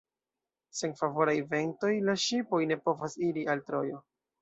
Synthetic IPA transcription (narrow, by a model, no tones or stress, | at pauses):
se̞nfavo̞ɾajve̞nto̞jlaʃipo̞jne̞po̞vasiɾialtɾo̞jo̞